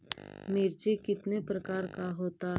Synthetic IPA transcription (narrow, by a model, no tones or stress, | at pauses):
meːɾt͡ʃekɪt̪nepɾəkaːɾkaɦoːt̪a